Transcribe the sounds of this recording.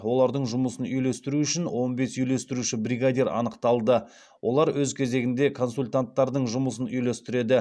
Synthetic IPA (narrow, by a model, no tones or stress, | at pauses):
wo̞lˠɑɾd̪əɴʒʊməsənʏjle̞st̪ɪɾuʏʃɪnwo̞nbe̞sʏjle̞st̪ɪɾuʃɪbɾʲiɡad̪ʲeɾɑ̰nəqt̪ɑlˠd̪ə | wʔo̞̰lˠɑɾwɵzkʲʰe̞ze̞ɡʲɪnd̪e̞kʰo̞nsulʲt̪ant̪ːɑɾd̪əɴʒʊməs̬ənʏjlest̪ɪɾe̞d̪ɪ